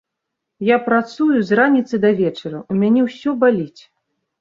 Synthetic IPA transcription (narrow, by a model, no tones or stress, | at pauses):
japɾat̪sujuzranʲit̪sɨd̪ɐvʲɛt͡ʂɐɾɐumʲanʲɛwsʲɔbalʲit͡sʲ